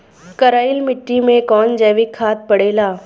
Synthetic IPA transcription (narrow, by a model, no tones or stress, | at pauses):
kɐɾaːɪlmɪʈːimẽkɔːnd͡ʒɛːʋɪkʰːaːt̪̚pɐɽeːlaː